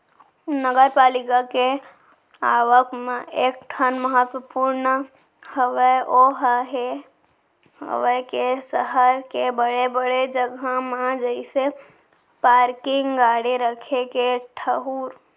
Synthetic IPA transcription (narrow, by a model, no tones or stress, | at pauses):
nəɡəɾpaːlikake | aʋəkʰmẽek̚ʈʰənməɦət̪wəpuɾnə | həʋəʔoɦəɦe | ɦə̰ʋəkesəɦəɾkebəɽebəɽed͡ʒəɡʱamad͡ʒəɪse | paɾkɪŋɡaɽeɾəkʰekeʈʰəɦuːɾ